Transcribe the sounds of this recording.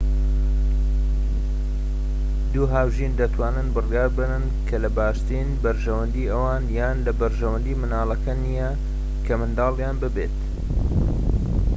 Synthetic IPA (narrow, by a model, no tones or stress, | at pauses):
d̪uːɦaːwʒind̪ɐt̪ʰwaːnɨnbɨrjaːɾbɨnɨn | kʰɐlɐbaːʃt̪inbɐɾʒɐwɐnd̪iːʔɐwaːnjaːnlɐbɐɾʒɐwɐnd̪iːmɨnaːlˠɐkɐnijɐ | kʰɐmɨnd̪ɑːljaːnbɨbeːt̪